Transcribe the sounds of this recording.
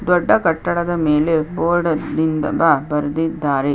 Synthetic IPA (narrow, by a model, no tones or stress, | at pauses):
d̪ɔɖːɐkɐʈːɐɭɐðɐmeːlepoːɽɐd̪ind̪ɐ̰babɐɾd̪id̪ːaːɾe